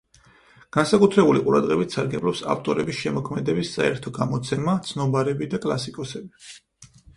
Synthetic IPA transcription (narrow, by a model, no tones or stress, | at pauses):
ɡ̥ansakʼut̪ʰɾɛbuliqʼuɾad̪ʁɛbit̪ʰsaɾɡɛblˠɔpsa̰ft̪ʼɔɾɛbisʃɛmɔkʰmɛd̪ɛbissʼa̰ɛɾt̪ʰɔɡamɔt̪sʰɛmat̪sʰnɔbaɾɛbid̪akʼlˠa̰sikʼɔsɛbi